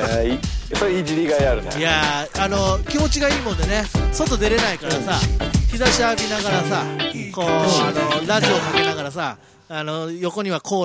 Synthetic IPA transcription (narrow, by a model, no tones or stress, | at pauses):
soid͡ʑiɾʲiɡaiaɾɯn̰jaano̞kʲimo̞t͡ɕiɡaiːmõ̞d̪e̞ne̞sot̪o̞d̪e̞ɾe̞naikaɾasaçizaɕiabʲinaɣaɾasako̞ːanoɾaʑio̞kakenaɣaɾasaː | no̞jo̞ko̞ɲ̟iβakʰo̞ː